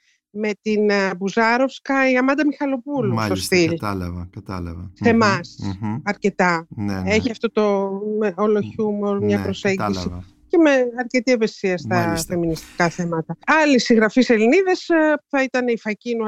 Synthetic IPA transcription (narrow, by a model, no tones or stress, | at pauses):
me̞t̪inbuzɐɾo̞fskɐiɐmɐnd̪ɐmixɐlo̞pulust̪o̞st̪ilt̪se̞mɐsɐɾce̞t̪ɐne̞çiɐft̪o̞t̪o̞meoloçumoɾmɲɐpɾo̞se̞ɲɟisi | ce̞me̞ɐɾce̞t̪ieve̞siɐst̪ɐfe̞minist̪i̥kɐθe̞mɐt̪ɐɐlisiɣɾɐfise̞liniðe̞spuθɐit̪ɐneifɐcinu